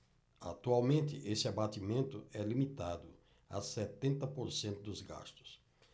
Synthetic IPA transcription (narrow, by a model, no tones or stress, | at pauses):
a̰t̪uawmẽnt̪ɪʔesɪabat̪imẽnt̪ʊɛlimit̪ad̪ʊ | a̰sɛt̪ẽnt̪ɐpoɾsẽnt̪ʊd̪ʊzɡa̰st̪ʊ̥s